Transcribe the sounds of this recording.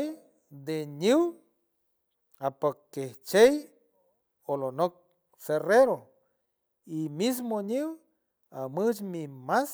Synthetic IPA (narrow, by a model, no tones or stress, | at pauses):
j | d̪eɲiw | apakːeht͡ʃej | olonok̚ | sereɾo | imis̬moɲiw | amɨt͡ʃmimas